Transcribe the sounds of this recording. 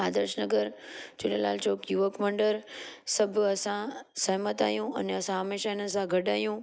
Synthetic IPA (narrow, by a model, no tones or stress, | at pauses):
ad̪əɾʃnəɡəɾd͡ʒɪɽela̰ːlt͡ɕoːkjuʋəkmə̃ɳɖəɾsəbʱəsãsəɦmət̪a̰ːɦjũɐ̰neəsãɦəmeʃanəs̬ãɡʱəɖaːɦjũ